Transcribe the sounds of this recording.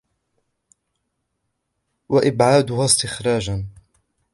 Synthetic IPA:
waʔɪbʕaːd̪ʊɦast̪ɪxɾˤɑːd͡ʒan

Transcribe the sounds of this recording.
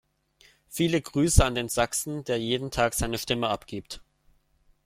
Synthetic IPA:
fiːləɡʁyːsəandeːnzaksn̩deːɐjeːdn̩tʰaːkz̥aɪnəʃtɪməʔapɡ̥iːpt

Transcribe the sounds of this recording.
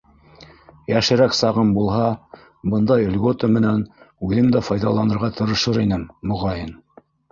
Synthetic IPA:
jæʃɘ̆ɾæksɑʁɤmbulˠɦɑ | bɤ̆nd̪ɑjŏlʲɡot̪əmɘ̆nænʉðɘmd̪æfɑjðɑlˠɑnɤ̆ɾʁɑt̪ʰɤ̆ɾɤ̆ʃɤɾinɘmːŏʁɑjɤn

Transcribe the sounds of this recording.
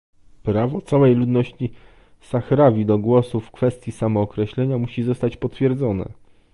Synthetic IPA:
pɾavɔt̪sawɛjlud̪nɔɕt͡ɕi | saxɾavʲid̪ɔɡwɔsufkfɛst̪ʲjisamɔːkɾɛɕlɛɲamuɕizɔst̪at͡ɕpɔt̪fʲjɛɾd̪zɔnɛ̰

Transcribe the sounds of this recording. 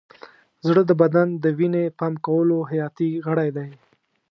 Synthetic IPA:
zɽəd̪əbad̪and̪əwinepɑmkawəloɦajɑt̪iɣəɽajd̪aj

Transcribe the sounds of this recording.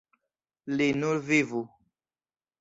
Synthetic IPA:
lenulvivu

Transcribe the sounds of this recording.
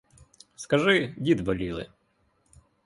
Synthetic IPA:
skɐʐɪdʲit̪bɔlʲilˠɪ̰

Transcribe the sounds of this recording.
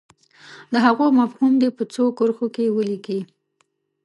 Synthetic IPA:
d̪əɦaɣomafhumd̪epət͡sokəɾxokewəliki

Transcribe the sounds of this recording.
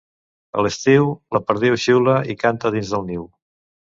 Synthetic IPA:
ə̰ləst̪iwləpəɾðiwʃiwləikant̪əðinzðəlˠniw

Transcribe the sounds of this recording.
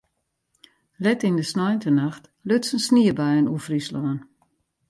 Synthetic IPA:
lɛtindəsnɔjntənaxt | løtsənsniəbajənufrislɔːən

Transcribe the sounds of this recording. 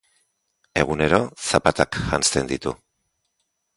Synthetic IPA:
e̞ɣ̞une̞ɾo̞sapat̪akʝanst̪e̞nd̪it̪u

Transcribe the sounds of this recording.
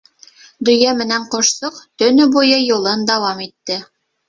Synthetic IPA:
d̪ɵ̆jæmɘ̆næɴqŏʃsoqt̪ɵ̆nɵbujɤjulˠɤnd̪æwɑmit̪ːɘ

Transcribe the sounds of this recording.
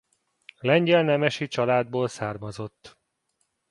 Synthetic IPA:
lɛɲɟɛlnɛmɛʃit͡ʃɒlaːd̪̚boːlsaːrmɒzo̞t̪ː

